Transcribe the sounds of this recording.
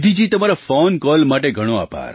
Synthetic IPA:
d̪ʱid͡ʒit̪əmaɾafɔnkɔlmaʈeɡʱəɽ̃oa̰pa̰ɾ

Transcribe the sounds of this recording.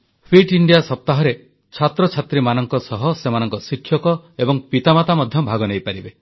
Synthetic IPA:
pʰɾiʈiɳɖijasɔp̚t̪aɦɔɾe | t͡ʃʰat̪ɾɔt͡ʃʰat̪ɾimanɔŋkɔsɔɦɔsemanɔŋkɔsikʰːjɔkɔebɔŋpit̪amat̪amɔd̪ʱjɔbʱaɡɔnejpaɾibe

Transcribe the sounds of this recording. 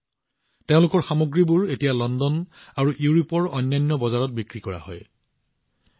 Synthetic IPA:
teʊ̃lʊkɔɹxamoɡɹibuɹetijalɔndɔnaɹuʔuɹupɔɹɔjnːajnːɔbɔzaɹɔt̚bikɹikɔɹa̰hɔ̰j

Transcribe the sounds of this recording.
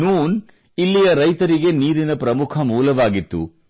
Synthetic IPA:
nuːn | ilːijɐɾɐjt̪ɐɾiɡe̞niːɾinɐpɾɐmukʰɐmuːlɐʋaːɡit̪ːṵ

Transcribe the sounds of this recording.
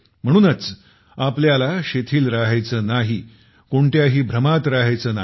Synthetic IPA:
m̤əɽ̃uːnət͡s | apljalaɕet̪ʰiːlɾaɦajt͡səːnaɦi | koɳt̪jaɦiːbʱɾəmat̪ɾaɦajt͡səːna

